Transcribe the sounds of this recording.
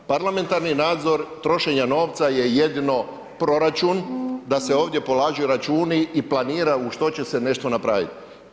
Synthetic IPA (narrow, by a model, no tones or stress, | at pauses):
paɾlˠame̞nt̪aɾninaːd̪zo̞ɾt̪ɾo̞ʃe̞ɲano̞ːʋt̪saje̞je̞d̪ino̞ | pɾo̞ɾat͡ʃund̪ase̞o̞ːʋd̪je̞po̞laːʒeuɾat͡ʃuːniiplˠaniːɾauʃt̪o̞t͡ɕe̞se̞ne̞ʃt̪onapɾa̰ʋḭt̪i̥